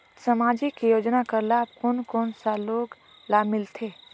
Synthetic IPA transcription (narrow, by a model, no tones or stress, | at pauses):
sɐmaːd͡ʒikijoːd͡ʒnakəɾlaːpkoːnkɔːnsaloːɡ | laːmɪlt̪ʰeː